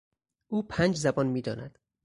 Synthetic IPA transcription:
ʔuːpʰæːnd͡ʒzæbɒːnmiːd̪ɒːnæd̪̥

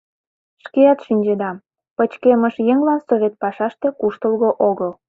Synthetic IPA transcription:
ʃkeɑt̪ʃinʲd͡ʑed̪ɑm | pət͡ɕkeməʃjeŋlɑnsoβʲet̪̚pɑʃɑʃt̪e̽kuʃt̪əlɣoʔoɣəl

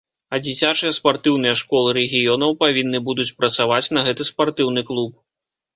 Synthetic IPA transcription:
ɐd͡zʲit͡sʲat͡ʂɨjɛspart̪ɨwn̪ɨjɐʂkɔlˠɨɾɛɣʲijɔnɐwpavʲinːɨbud̪ut͡sʲpɾɐt̪savat͡sʲnɐɣɛt̪ɨspart̪ɨwnɨklˠup̚

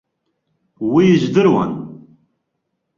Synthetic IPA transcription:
wiʒd̪ɨɾwa̰n

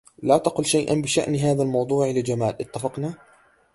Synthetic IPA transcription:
laːt̪aqʊlʃajʔa̰nbɪʃa̰ʔnɦaːðalmɑwd̪ˤuːʕlɪd͡ʒamaːlʔɪt̪ːafɑqna

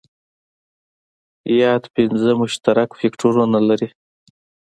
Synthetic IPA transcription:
jɑd̪pɪnzəmʊʃt̪aɾakfekʈʰoɾunalaɾi

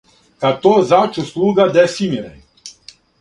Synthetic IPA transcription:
kat̪ozat͡ʃuslˠuːɡad̪ɛfimiɾɛ̰

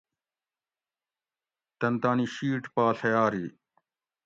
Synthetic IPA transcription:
t̪ɐnt̪aːniɕiːʈpaːɬɐjaːɾi

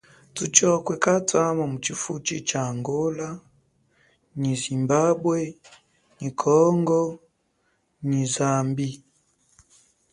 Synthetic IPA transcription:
tut͡ʃɔkwɛkatwamamut͡ʃifut͡ʃit͡ʃaːŋɡɔla | ɲizimbabwɛ | ɲikʰɔŋɡɔ | ɲizambi

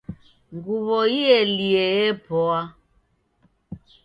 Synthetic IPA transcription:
ŋɡuβɔiɛliɛɛpɔa

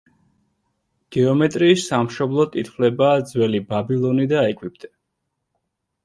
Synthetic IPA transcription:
ɡ̥ɛɔmɛt̪ʼɾiːsamʃɔblˠɔt̪ʼit̪ʰχwlɛbaːd̪zwɛlibabilˠɔnid̪aɛkʼwip̚t̪ʼɛ

